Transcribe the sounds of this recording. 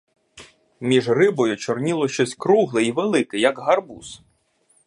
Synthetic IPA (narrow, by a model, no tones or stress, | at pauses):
mʲiʒrɪbɔjʊt͡ʃɔrnʲilˠɔʃt͡ʃɔsʲkɾuɦlˠɪiʋelˠɪkɪjɐkɦɐrbṵs